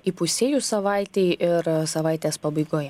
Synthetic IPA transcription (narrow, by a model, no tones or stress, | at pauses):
ipʊsʲeːjuːsɐʋɐˑɪt̪ʲɛɪʔɪɾsɐʋɐˑɪt̪ʲeːspɐbɐɪɡoːjɛ